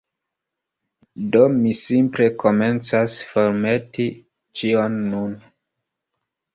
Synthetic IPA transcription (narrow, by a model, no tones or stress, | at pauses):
domisimple̞kʰo̞me̞nt͡sasfo̞ɾmeti | t͡ʃionːun